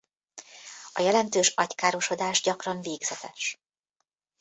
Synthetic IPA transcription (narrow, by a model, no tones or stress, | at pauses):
ɒjɛlɛnt̪øːʃɒckaːɾo̞ʃo̞d̪aːʒɟɒkrɒɱveːɡz̥ɛt̪ɛʃ